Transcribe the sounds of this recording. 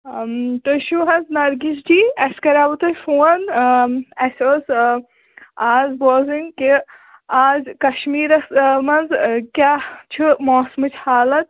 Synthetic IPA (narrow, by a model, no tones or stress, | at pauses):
t̪oʃuɦɐnznɐɾɡisd͡ʒiːɐskɐɾaːbut̪ɐfuːɐn | ɐsʲos | aːzboːziŋki | aːzkɐʃmiːɾɐsmɐnzkʲjaːt͡ʃʰɨmoːsmɨt͡ʃʰhaːlɐt̪̚